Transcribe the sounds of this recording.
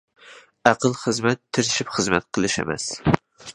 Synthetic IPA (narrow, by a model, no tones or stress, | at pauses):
ɑqɨlˠχɨzmat̪ʰːɪɾɪʃɪpχɨzma̰t̪̚qʰɨlˠɪʃḛmæ̰s